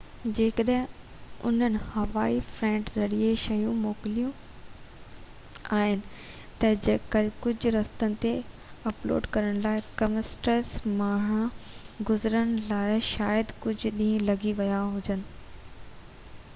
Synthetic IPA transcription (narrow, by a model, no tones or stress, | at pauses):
d͡ʑeːkəɗɦɪ̃ | ʊ̰n̤ənɪ̆hɐʋaːifɾɛ̃ːɳʈzɐɽieʃɐjũmoːkɪlijũ | aːɦɪnɪ̆ | t̪ɐd͡ʑeːkəlkʊd͡ʑʱʊɾɐst̪ənɪ̆t̪e | ɐplo̰ːɖkɐɾəɽ̃laːɪkɐmɪsʈəɾsmaːɽ̃ãɡʊzɾəɽ̃laːɪʃaːjəd̪kʊd͡ʑʱɗĩːə̃lɐɡiʋɐjaɦʊd͡ʑənɪ̆